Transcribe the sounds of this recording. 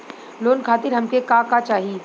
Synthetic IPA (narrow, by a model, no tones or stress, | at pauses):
loːnkʰaːt̪ɪɾɦɐmkekakat͡ʃaːɦiː